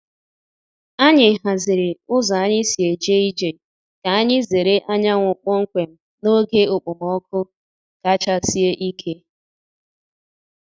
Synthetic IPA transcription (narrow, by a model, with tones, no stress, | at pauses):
a˦ɲɪ˨ɦa˨zɪ˨ɾɪ˨ʊ˦zɔ˨a˦ɲɪ˦si˨e˨d͡ʒe˦i˦d͡ʒe˨ | ka˨a˦ɲɪ˦ze˨ɾe˦ʔa˦ɲa˦ŋʷʊ˨k͡pʊ˦ŋ̩˦kʷe˨m̩˦ | no˦ɡe˦ʊ˨k͡pʊ˨mɔ˦kʰʊ˦ | ka˦t͡ʃa˦si˦e˦ʔi˦kʰe˦